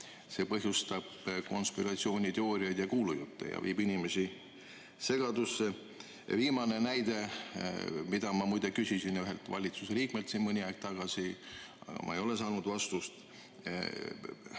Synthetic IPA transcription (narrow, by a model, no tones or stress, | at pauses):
se̞pɤɦjust̪ɑb̥ko̞̰nspiɾɑt̪sio̞ːnʲit̪eo̞ːɾiɑjd̪̥jɑkuːlujut̪ːe̞̰jɑ̰viːbinime̞si | se̞ɡ̥ɑd̪usːe | viːmɑne̞næjd̪e̞ | mid̪̥ɑmɑmujd̪e̞kysisinjyɦelt̪vɑ̰lʲit̪suseliːk̚melt̪sinmɤnʲiɑeɡ̥̚t̪ɑɡ̥ɑsiɑ̰ɡ̥ɑ̰mʔɑ̰ejo̞lesɑːnud̪vɑst̪ust̪